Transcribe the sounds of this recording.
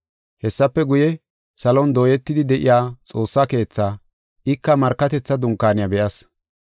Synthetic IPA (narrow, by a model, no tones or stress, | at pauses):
hɛsːɐpːɛɡʊjɛ | sɐlɔnd̪oːjɛt̪ːɪd̪ɪd̪ɛʔɪjaːt͡sʼo̞ːsːake̞ːt͡sːaː | ʔɪkːɐmɐɾkːɐt̪ɛt͡sːɐd̪ʊŋkːaːnɪjɐbɛʔɐs